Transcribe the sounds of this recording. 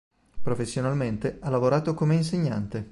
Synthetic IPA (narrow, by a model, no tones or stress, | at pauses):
pɾofesːjonalment̪ealːavoɾaːt̪okomeinseɲːant̪e